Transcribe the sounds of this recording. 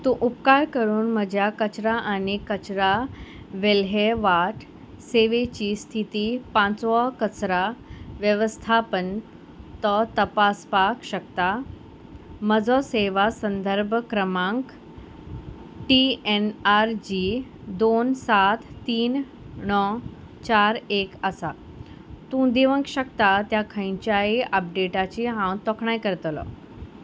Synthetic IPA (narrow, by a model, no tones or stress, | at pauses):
t̪ũʔupkaɾkəɾuːnməd͡ʑʱjakət͡ɕɾaʔanikət͡ɕɾa | ʋelɦeʋaʈʰ | seʋet͡ɕiːst̪ʰit̪iːpãt͡sʋɔkət͡sɾaʋjəʋəst̪ʰapən | t̪ɔt̪əpaspakɕəkt̪a | məd͡zɔseʋasənd̪ʱəɾbʱkɾəmãŋk | ʈienaɾd͡ʑi | d̪onsat̪ʰːiːn | nɔ | t͡ɕaɾekəsa | t̪ũd̪iʋə̃ŋkɕəkt̪at̪jakʰəjɲt͡ɕjaiʔəp̚ɖeʈat͡ɕiɦãwt̪ɔkʰɳajkəɾt̪lɔ̰